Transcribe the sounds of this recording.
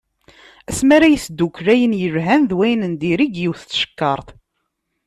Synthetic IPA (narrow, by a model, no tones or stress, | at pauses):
æsmæɾæjəsd̪ːukːɾæjənjəvɦænðwæjnənd̪iɾiɡjiwθt͡sːʃə̥kːɑɾˤθ